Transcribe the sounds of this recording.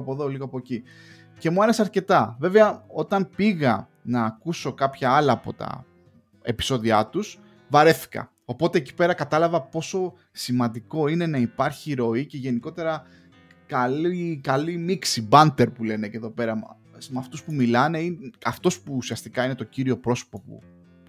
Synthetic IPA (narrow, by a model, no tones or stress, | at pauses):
po̞ðo̞liɣoɐpo̞eci | ce̞muɐɾe̞seɐɾce̞t̪ɐve̞veɐo̞t̪ɐmpiɣɐ | nɐːkuso̞kɐpçɐɐlɐːpo̞t̪ɐ̰ | e̞̰pi̥so̞ðiɐt̪us | vɐɾe̞θi̥kɐ̰ | o̞po̞t̪e̞ːci̥pe̞ɾɐkɐt̪ɐlɐvɐpo̞so̞ | simɐ̃nd̪iko̞ine̞nɐipɐɾçiɾo̞ice̞ʝe̞niko̞t̪e̞ɾɐ | kɐlikɐlimiksibɐnt̪e̞ɾpule̞neceðo̞pe̞ɾɐ | smɐft̪uspumilɐne̞inɐft̪o̞spuːsiɐst̪ikɐine̞t̪o̞ciɾio̞pɾo̞so̥po̞pṵ